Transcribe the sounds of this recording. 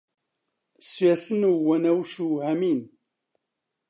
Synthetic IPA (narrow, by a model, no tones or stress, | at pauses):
sjæsənuwænæwʃuhæmin